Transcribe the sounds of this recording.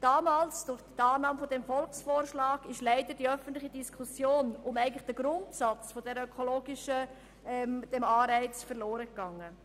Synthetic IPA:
d̥ɑːmaːlsd̥ʊɾχtɑːnɑːməfɔdɛmfɔlksfoːɾʃlɑːɡɪʃlæɪd̥əd̥iœfən̩tlɪχid̥iskʰusjoːnʊmæɪəŋn̩tlɪχd̥əɡɾʊntsɑt͡sfɔdɛɾœkʰɔloːɡɪʃə | ɛmd̥ɛmɑːɾɛɪt͡sfəɾloːɾəkɡ̥ɑŋːə

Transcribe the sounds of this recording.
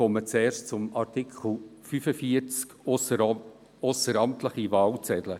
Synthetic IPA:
ɔmət͡sɛːrʃtt͡sʊmɑɾt̪ɪkl̩fyfəfiət͡sk | osəɾɑmt̪ləχivɑːlt͡sɛdlə

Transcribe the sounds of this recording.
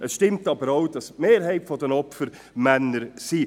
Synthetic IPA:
ʔɛsʃtɪmtɑbəɾaʊd̥ɑsmeːɾɦɛɪtfɔdɛnɔpfəɾ | mænəɾsiː

